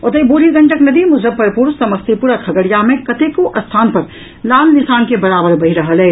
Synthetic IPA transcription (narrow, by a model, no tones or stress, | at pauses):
ɔt̪əiboːɾiɡɐ̃ɳʈəknɐd̪imʊd͡ʒɾəb̚pɐɾpuɾssɐmɐst̪ʰipuɾakʰɐɡəɽijamẽkɐt̪ekoʔɐst̪ʰaːnpɐɾ | laːnnɪsaːnkebɐɾaːbəɾbɐɦiɾɐɦəlɦɛː